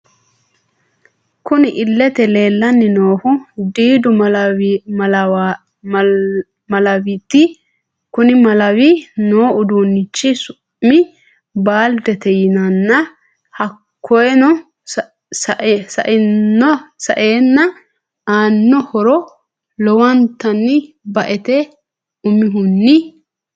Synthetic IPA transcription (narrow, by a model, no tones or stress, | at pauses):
kʊnɪʔɪlːɛt̪ɛle̞ːlːɐnːɪnoːhʊd̪iːd̪ʊ | ɐ | mɐlɐwit̪ːɪ | kʊnɪmɐlɐwinoːʊd̪uːnːɪt͡ʃːɪsʊ | mɪ | baːld̪ɛt̪ɛjɪnɐnːɐ | hɐkʰːɔjɛnɔ | sɐʔsɐ̰ʔɪɔsɐ̰ʔeːnːɐ | aːnːɔhɔɾɔ | lɔwɐnt̪ːɐnːɪ | bɐʔɛt̪ɛ | ʊmɪɦʊnːɪ